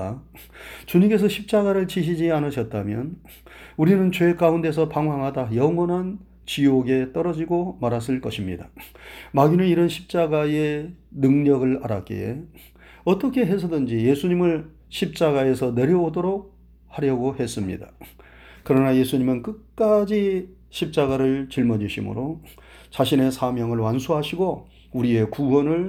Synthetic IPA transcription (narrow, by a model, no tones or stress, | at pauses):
t͡ɕuɲiŋke̞s̬ʰʌɕʰip̚t͡ɕ͈aɡaɾɯɭt͡ɕiɕ̬ʰid͡ʑianɯɕʰʌt̚t͈amjʌ̰n | uɾinɯnt͡ɕwe̞k͈aunde̞s̬ʰʌpaŋwaŋɦadajʌŋwʌnɦan | t͡ɕioɡe̞t͈ʌɾʌd͡ʑiɡomaɾas͈ɯɭk͈ʌɕʰimɲḭda̰maɡinɯniɾʌnɕʰip̚t͡ɕ͈aɡae̞nɯŋɲʌɡɯɭaɾa̰k͈ḛe | ʌt͈ʌkʰe̞ɦe̞sʰʌdɯnd͡ʑije̞sʰuɲimɯɭ | ɕʰip̚t͡ɕ͈aɣae̞sʰʌne̞ɾjʌodoɾok̚ | haɾjʌɡohe̞s͈ɯmɲḭda | kɯɾʌnaje̞sʰuɲimɯnkɯk̚k͈ad͡ʑi | ɕʰip̚t͡ɕ͈aɡaɾɯɭt͡ɕiɭmʌd͡ʑiɕʰimɯ̰ɾo | t͡ɕaɕʰine̞sʰamjʌŋɯɭwansʰuɦaɕʰiɡo | uɾie̞kuwʌnɯɭ